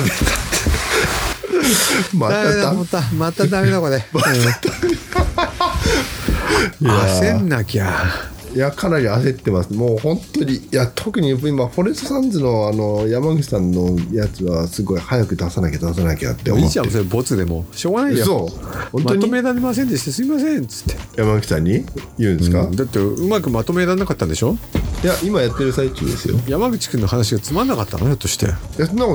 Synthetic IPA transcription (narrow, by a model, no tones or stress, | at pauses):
met̪a | mad̪amːaed̪ot̪ːamat̪ːad̪amed̪okod̪emat̪ːt̪a | jasẽnːakʲa | jakʰanaɾʲiase̞t̪ːe̞masɨ̥moːhõ̞nt̪o̞ɲ̟ijat̪ʰokɯ̟ɲ̟iimaɸo̞ɾesɨsãnzɨno̞ano̞jamaɡɯ̟t͡ɕi̥sãnːo̞jat͡sɨβasɨɡo̞jhajakɯ̟d̪asanakʲed̪as̬anakʲea̰t̪ːeo̰t͡ɕãmmsoɾbo̞t͡sɨd̪e̞mo̞ɕoːɡanaiesoõnmoɲt̪omenaɾemas̬ẽnd̪eɕi̥t̪esɨimas̬ẽ̞nt͡sɨ̥t̪ːejamaɡɯ̟t͡ɕi̥sã̰ɲ̟ːijɯ̟̃nd̪eskad̪at̪ːeɯ̟makɯ̟mat̪o̞me̞nanakat̪ːãnd̪e̞ɕo̞jaʔimajat̪ːe̞ɾɯ̟sait͡ɕɨ̰ːd̪e̞̰sɨ̰jo̰jamaɡɯ̟t͡ɕi̥kɯ̃nːohanaɕ̬iɡat͡sɨmanːakat̪ːa̰not͡ɕot̪ːo̞ɕi̥t̪e̞̰jasona